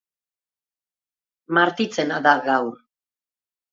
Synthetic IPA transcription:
maɾt̪it͡senaðaɣawɾ

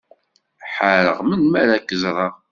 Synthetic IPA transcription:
ħəɾə̰ʁmənmæɾækːəzɾˤɑ

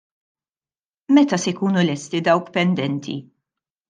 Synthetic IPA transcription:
mɛt̪ɐsɛjkuːnulɛst̪id̪ɐwkpɛnd̪ɛnt̪ʰḭ

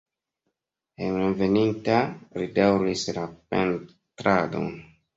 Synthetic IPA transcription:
enɾeve̞nintaɾidawɾislapḛn | tɾado̰n

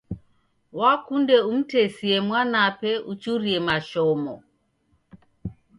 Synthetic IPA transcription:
wakundɛum̩tɛsiɛmwanapɛʔut͡ʃuɾiɛmaʃɔmɔ

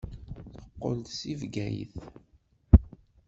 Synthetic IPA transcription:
θə̥qːo̰lt̪sivɡæjə̰θ

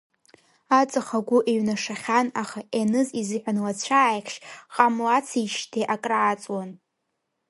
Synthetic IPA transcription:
at͡sʼaχaɡʷʊʔeɥnaʂaχʲanaχaʔenɨzizɨħʷᶣanlat͡ɕʷʰaːjqʰʃqʼamlat͡sʰiʃtʰeʔakʼraːt͡sʼwan

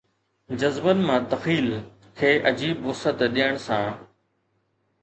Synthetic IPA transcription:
d͡ʑɐzbənɪ̆mãːt̪ɐxiːl | kʰeːʔɐd͡ʑiːbʊsət̪ɗiəɽ̃sãː

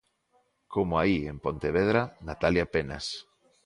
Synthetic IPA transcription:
kʰomoaiempont̪eβ̞eðɾanat̪aljapena̰s

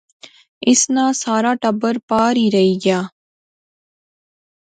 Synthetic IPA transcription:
ɪsnaːsaːɾaːʈəbːəɾpaːɾiːɾɐɦiːɡjaː

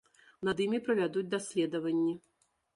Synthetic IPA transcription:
nɐd̪imʲipɾɐvʲad̪ud͡zʲd̪asʲlʲɛd̪ɐvɐnʲːi

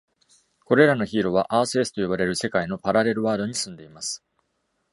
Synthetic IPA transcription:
ko̞ɾe̞ɾano̞çiːɾo̞β̞aʔaːsɨesɨ̥t̪o̞jobaɾe̞ɾɯ̟se̞kaino̞paɾaɾe̞ɾɯ̟βaːd̪o̞ɲ̟isɨ̃nd̪e̞imasɨ̥

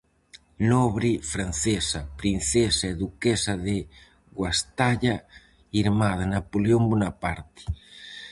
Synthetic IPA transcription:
nɔβɾifɾanθesapɾin̟θesaeðukesaðe | ɣwast̪aʎa | iɾmað̞anapoleombunapaɾt̪ɪ̥

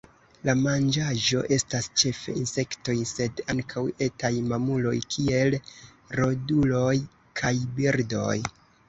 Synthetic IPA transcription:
lamand͡ʒaʒo̞̰ʔe̞stast͡ʃe̞fe̞̰inse̞kto̞jse̞daŋkʰawe̞tajmamulo̞̰jkʰie̞l | ɾo̞dulo̞j | kʰajbiɾdo̞̰j

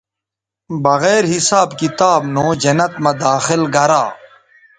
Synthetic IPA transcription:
bɐɣeːɾɦisaːbkit̪aːbnõːd͡ʑɐnɐt̪mɐd̪aːxɪlɡɐɾaː

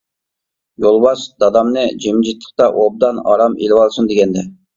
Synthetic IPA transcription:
jolˠbɑsd̪̥ɑd̪ɑmnɨd͡ʒemd͡ʒit̪ʰːə̥q̚t̪ɑʔob̚d̪ɑnɑ̰ɾɑmḛlwɑlˠsund̪eɡʲɛnd̪ɛ

